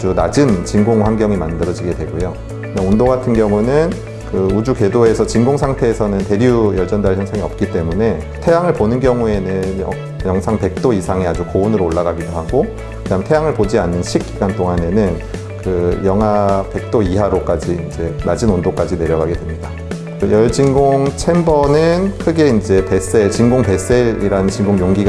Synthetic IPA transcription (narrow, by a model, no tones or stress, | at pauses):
d͡ʑɯnad͡ʑint͡ɕiŋɡoŋɸwanɡjʌŋimandɯɾʌd͡ʑiɡe̞dwe̞ɡojo | ɯnaondoɡatʰɯnɡjʌŋunɯn | kɯud͡ʑuke̞doe̞sʰʌt͡ɕiŋɡoŋsʰaŋtʰe̞ːsʰʌnɯnte̞ɾiujʌɭd͡ʑʌndaɭçʌnsʰaŋiʌp̚k͈it͈e̞mune̞ | tʰe̞jaŋɯɭponɯnɡjʌŋue̞nɯnjʌ | jʌŋsʰaŋpe̞k̚t͈oisʰaŋead͡ʑukounɯɾooɭːaɡaɡidoɦaɡo | kɯnamtʰe̞jaŋɯɭpod͡ʑianːɯnɕʰik̚k͈iɡant͈ʰoŋane̞nɯn | kɯjʌŋɦape̞k̚t͈oiɦaɾok͈ad͡ʑiiːnd͡ʑe̞mad͡ʑinondok͈ad͡ʑine̞ɾjʌɡaɡedwemɲida | jʌɭd͡ʑiŋɡoŋt͡ɕʰe̞mbʌnɯnkʰɯɡe̞ind͡ʑe̞pe̞s͈e̞ɭt͡ɕiŋɡoŋpe̞s͈e̞ɾḭɾanɯnt͡ɕiŋɡoŋjoŋɡiɡ